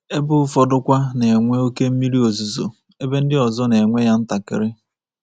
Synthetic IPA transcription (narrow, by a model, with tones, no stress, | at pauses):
e˦bʊ˦fɔ˦dʊ˦kʷa˦ne˨ŋʷe˦o˦ke˦m̩˦mi˦ɾi˦o˨zu˨zo̰˨ | e˦be˦n̩˦dɪ˦ɔ˨zɔ˦ne˨ŋʷe˦ja˦n̩˦ta˨kɪ̰˨ɾɪ˦